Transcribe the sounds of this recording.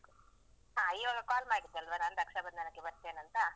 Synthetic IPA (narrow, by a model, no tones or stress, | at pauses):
ɦaːioɡɐkaːlmaːɡit̪ːeɐlʋanaːnɾɐkʂɐbɐnd̪ɐnɐkːebɐɾt̪ːeːnɐnt̪ɐ